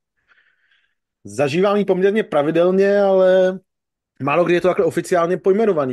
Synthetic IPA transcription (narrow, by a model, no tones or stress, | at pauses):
zaʒiːvaːmiːpo̞mɲɛɾɲɛpɾavɪdɛlɲɛalɛ | maːlo̞ɡdɪjɛt̪ot̪aklɛo̞fɪt͡sɪaːlɲɛpojmɛnovaniː